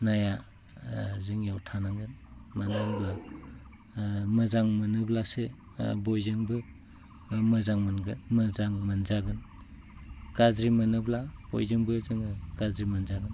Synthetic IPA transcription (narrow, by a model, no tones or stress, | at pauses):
naja | zɯŋjawtʰanaŋɡɯnmanaŋbla | mɯzaŋmɯnɯblase | bojzɯŋbɯ | mɯzaŋmanɡɯnmɯzaŋmanzaɡɯn | kazɾimɐnɯblab̥o̰jzɯŋbɯzɯŋkazɾimanzaɡɯn